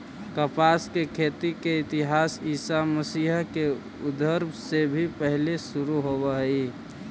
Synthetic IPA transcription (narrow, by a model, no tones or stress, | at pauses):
kəpaːskekʰeːt̪ikeɪt̪ɪɦaːsiːsaməsiːɦɦke | ʊd̪əɾbʱsebʱipəɦlesʊɾuɦobəɦi